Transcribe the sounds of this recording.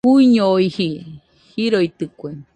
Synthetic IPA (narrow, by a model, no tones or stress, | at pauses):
uiɲooihi | hiɾoit̪ɨkʷe